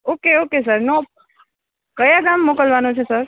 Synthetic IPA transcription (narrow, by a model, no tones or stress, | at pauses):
okeokesəɾno | kəjaɡamːokəlʋanot͡ʃʰesəɾ